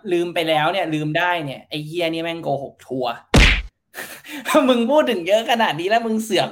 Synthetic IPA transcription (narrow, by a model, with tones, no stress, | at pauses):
lɯː˧mpa˧jlɛː˦˥wni˥˩ɐlɯː˧mdaː˥˩jni˥˩ɐʔa˧jki˥˩ɐni˦˥˩mɛ˥˩ŋkoː˧ho˨˩p̚t̪ʰu˧ɐ˥ | mɯ˧ŋpʰuː˥˩t̪̚ːʰɯ˩˦ŋjɤ˦˥ʔkʰa˧naː˨˩t̪̚niː˦˥lɛː˦˥mɯ˧ŋsɯ˨˩˦əŋ